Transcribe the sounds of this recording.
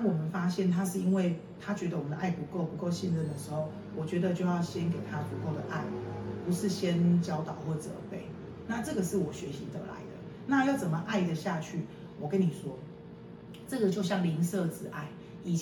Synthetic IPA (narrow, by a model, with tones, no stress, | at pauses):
a˥˩wɔ˨˩mə˨˦nfa˥ɕjɛ˥˩nt̪ʰa˦ʂ̬ɻ̩˥˩i˦˥nwe˥˩ɪ | t̪ʰa˥t͡ɕɥɛ˧˥d̪ə˧wɔ˨˩ə˨nd̪ə˧ʔa˥˩ɪpu˧˥ko˥˩ʊpu˧˥ko˥˧ʊɕi˥˧nɻə˥˩nd̪ə˩ʂɻ̩˧˥xo˥˩ʊ | wɔ˨˩t͡ɕɥɛ˧˥d̪ə˨˧t͡ɕjo˥˧ʊjɑ˥˩ʊɕjɛ˦nke˨˩ɪt̪ʰa˦˥pu˧˥ko˥˩ʊd̪ə̰˩ʔa̰˥˩ɪpu˧˦ʂɻ̩˥˩ɕjɛ˥nt͡ɕjɑ˥ʊt̪ɑ˨˩ʊxwɔ˥˩ʈ͡ʂə̰˨˩pe˥˩ɪ | na˥˧ʈ͡ʂɤ˥˩ɡə˨˩ʂɻ̩˥˩wɔ˨˩ɕɥɛ˧˥ɕi˧˥t̪ə̰˧˥la̰˧˦ɪd̪ə̰˧ | na˥˧jɑ˥˩ʊt͡sə˨˩nmə˩ʔa˥˩ɪd̪ə˩ɕja˥˧t͡ɕʰy˥˩ | wɔ˨˩kə˦ni˨˩ʂwɔ˥ | ʈ͡ʂɤ˥˩ɡə˩t͡ɕjo˥˧ʊɕ̬jɑ˥˩ŋli˧˥ŋsɤ˥˧t͡sɹ̩˥˩ʔa˥˩ɪ | i˨˩